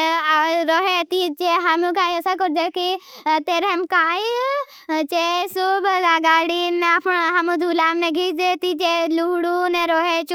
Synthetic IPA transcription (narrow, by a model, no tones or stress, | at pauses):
ɾoːɦet̪it͡ʃeɦamũkaːiəsakɔɾd͡ʒakit̪eːɾemkaːj | t͡ʃesʊbaɡaːɽinapɳɦamũd̪ʱuːlaːmneɡʱiːd͡ʒet̪it͡ʃeluɽuneɾoːɦet͡ʃ